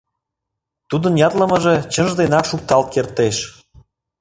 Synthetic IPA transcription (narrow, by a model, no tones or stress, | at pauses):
t̪ud̪ənjɑt̪lə̆mə̆ʒet͡ɕənʒd̪enɑkʃuk̚t̪ɑlt̪̚kert̪eʃ